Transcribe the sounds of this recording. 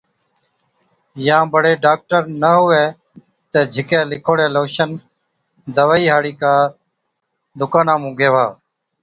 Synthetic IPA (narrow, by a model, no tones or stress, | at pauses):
jãːbʱəɽeːɖaːk̚ʈəɾnəɦʊʋeː | t̪eːd͡ʒʱɪkẽːlɪkʰoːɽeːloːʃən | d̪əʋaːiːɦaːɽiːkaː | d̪ʊkaːnãːmũːɡʱeːʋaː